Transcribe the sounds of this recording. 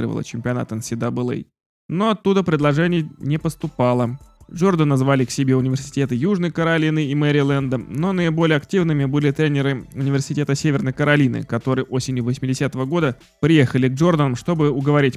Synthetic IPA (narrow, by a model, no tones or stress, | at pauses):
ɾə̰və̰lˠə̰t͡ɕɪmʲpʲɪɐna̰t̪ənsʲɪd̪abɨlˠɛ̰j | no̞ɐt̪ːud̪əpɾʲɪd̪lˠɐʐɛnʲɪjənʲɪpəst̪ʊpɑlˠəʐo̞rd̪ənɐzvalʲɪksʲɪbʲe̞ʊnʲɪvʲɪrsʲɪ̥tʲe̞t̪ɨjuʐnəjkəɾɐlʲinɨimɛɾʲɪlˠand̪əno̞nəɪbo̞lʲɪjəɐktʲivnɨmʲɪbɨlʲɪt̪ɾʲenʲɪɾɨʊnʲɪvʲɪrsʲɪtʲe̞t̪əsʲevʲɪrnəjkəɾɐlʲinɨ̰kɐt̪o̞ɾɨjʔo̞sʲɪnʲjʊvəsʲmʲɪdʲɪsʲat̪əvəɡo̞d̪ə | pɾʲɪje̞xəlʲɪɡ̚ʐo̞rd̪ənəmʂt̪o̞bɨʊɡəvɐɾʲitʲ